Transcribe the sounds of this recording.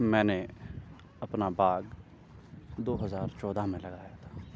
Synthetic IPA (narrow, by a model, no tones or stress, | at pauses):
mɛ̃ːne | ɐpnabaːɡ | d̪oːɦɐzaːɾt͡ʃɔːd̪ʱamẽlɐɡaːjat̪ʰḁː